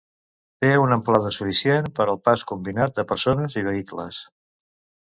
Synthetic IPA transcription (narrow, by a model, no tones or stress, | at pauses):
t̪eunəmplaðəsufisjenpəɾəlˠpaskumbinat̪̚d̪əpəɾsonəziβ̞əiklə̰s